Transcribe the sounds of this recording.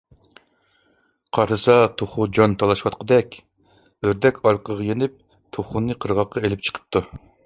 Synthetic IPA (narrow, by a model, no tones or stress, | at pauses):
qʰɑɾd̪ɨsɑt̪ʰoχʊd͡ʒɑnt̪ʰɑlˠɑʃwɑt̪qʰəd̪ɛkʲ | øɾd̪ɛkʲʰɑɾqəʁɑjenɪp̚ | t̪ʰoχunːɨqʰəɾʁɑqːɑelɪp̚t͡ʃʰə̥qʰə̥p̚t̪ʰu